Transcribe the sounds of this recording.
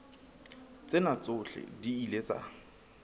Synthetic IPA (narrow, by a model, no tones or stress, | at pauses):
t͡sʼɪnat͡sʊɬɪ̰diilet͡sa̰